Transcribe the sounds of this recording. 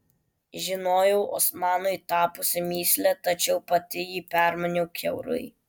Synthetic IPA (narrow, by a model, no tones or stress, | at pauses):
ʒʲɪnoːjɛʊʔɔ̰smɑːnʊɪt̪ɑːpʊsʲɪmʲiːsʲlʲɛt̪ɐt͡ʃʲɛʊpɐt̪ʲɪjiːpʲæˑɾmɐnʲɛʊkʲɛʊɾʊ̰ɪ